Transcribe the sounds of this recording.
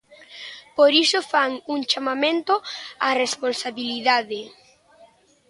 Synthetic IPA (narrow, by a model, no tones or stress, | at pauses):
poɾisofaŋuŋt͡ʃamamẽnt̪oaresponsaβiliðaðe